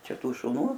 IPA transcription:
ˈt͡ʃʲɛ ˈtuː ʃʊˈnuː

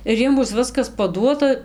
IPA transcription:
ɪr ˈjiɛm ˈbʊs ˈʋʲɪskɐs pɐˈduɔtɐ

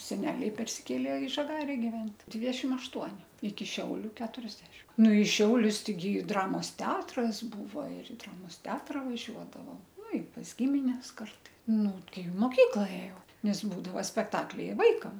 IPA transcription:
sʲɛˈnʲæːlʲɛɪ pʲɛrʲsʲɪˈkʲeːlʲeː ɪ ʒɐˈɡɑːrʲɛ ɡʲɪˈʋʲɛnʲtʲ ˈdʲʋʲɪdʲɛʃʲɪm ɐʃˈtuɔnʲɪ ɪkʲɪ ˈʃʲɛʊlʲʊ ˈkʲæːtʊrʲɛzʲdʲɛʃʲɪm nʊ ɪ ˈʃʲɛʊlʲʊs tʲɛɪˈɡʲɪ ˈdrɑːmoːs ˈtʲɛɐtrɐs ˈbuːʋɐ ɪr ɪ ˈdrɑːmoːs ˈtʲɛɐtrɐ ʋɐˈʒʲuɔdɐʋoː ˈnʊ ɪ pɐs ˈɡʲɪmʲɪnʲɛs ˈkɐrtɐɪ ˈnʊ tʲɛɪ ɪ moːˈkʲiːklˠɐ ˈeːjɛʊ nʲɛs ˈbuːdɐʋɐ sʲpʲɛkˈtɑːklʲɛɪ ɪ ˈʋɐɪkɐm

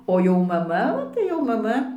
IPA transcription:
ˈoː jɛʊ mɐˈmɐ oː tɐɪ jɛʊ mɐˈmɐ

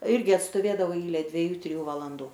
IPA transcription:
ˈɪrʲɡʲɪ ɐtstoːˈʋʲeːdɐʋɐʊ ˈɛɪlʲɛ dʲʋʲiɛˈjuː tʲrʲɪˈjuː ʋɐlˠɐnˈduː

